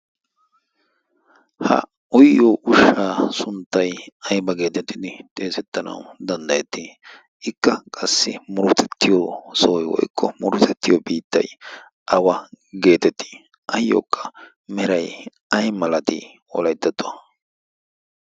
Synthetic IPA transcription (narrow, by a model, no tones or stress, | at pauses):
hɐ̰ | ʊjːoʔʊʃaːsʊnt̪ːɐjɐjbɐɡe̞ːt̪ɛt̪ːɪd̪ɪt̪ʼe̞ːsɛt̪ːɐnɐ̰wd̪ɐnd̪ɐjɛt̪ːɪ | ɪkːɐkʼɐsːɪmʊɾʊt̪ʰɛt̪ːɪjosoːjwɔ̰jkʰːɔmʊɾʊt̪ɛt̪ːɪjobiːt̪ːɐ̰j | ʔɐwɐɡe̞ːt̪ɛt̪ːɪ̥ | ɐjːo̰ːkʰːɐ̥ | mɛɾɐj | ɐjmɐlɐt̪ɪ̰ | ɔ̰lɐjt̪ːɐt̪ːʊ